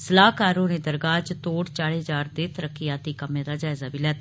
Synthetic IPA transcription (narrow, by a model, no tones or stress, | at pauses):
səlaːkaːɾoːnẽːd̪əɾɡaːd͡ʒt̪oːɽt͡ʃaːɽeːɦd͡ʒaːɾd̪eːt̪əɾəkːɪjaːt̪iːkəmẽːd̪aːd͡ʒaːɪzaːbʱiːlɛːt̪ː